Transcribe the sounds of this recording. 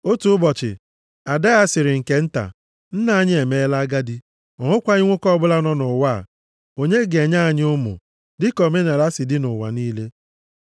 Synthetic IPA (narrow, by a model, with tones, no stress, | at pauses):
o˦tu˨ʊ˦bɔ˨t͡ʃɪ̰˨ | a˨da˦a˦sɪ˨ɾɪ˨ŋ̩˨ke˨n̩˦ta̰˨ | n̩˦na˦˨a˨ɲɪ˦e˨me˦la˦ɡa˦dɪ˦ | ɔ˨ŋʊ˦kʷa˦i˦ŋʷʊ˦kɔ˦bʊ˦la˦nɔ˦nʊ˨wa˦˨ | o˨ɲe˦ɡe˨ɲa˦a˨ɲ˦ʊ˦mʊ̰˨ | dɪ˦kɔ˨me˦na˨ɾa˦sɪ˨dɪ˦nʊ˨wa̰˨niː˦le˦